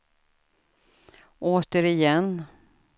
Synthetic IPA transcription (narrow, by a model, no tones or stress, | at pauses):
ʔoːt̪əɾɪjɛnː